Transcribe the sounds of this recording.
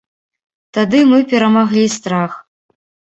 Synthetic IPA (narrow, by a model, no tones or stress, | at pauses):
t̪ad̪ɨmɨpʲɛɾɐmaɣlʲist̪ɾax